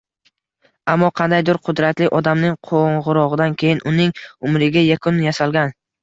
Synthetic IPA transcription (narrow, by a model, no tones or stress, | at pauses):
amːɒqʰɑnd̪ajd̪ɪɾqʰʊd̪ɾat̪lɪʔɒd̪amnɪŋqʰoɴʁɨɾɒʁɨd̪ankʲʰe̞jɪnʔʊnɪŋʊmɾɪɡʲajakʰʊnjasalɡʲan